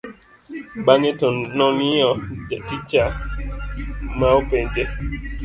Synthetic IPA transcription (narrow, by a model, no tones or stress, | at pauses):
ɓaŋetɔnnɔniɔtit͡ʃa | maopɛnd͡ʒe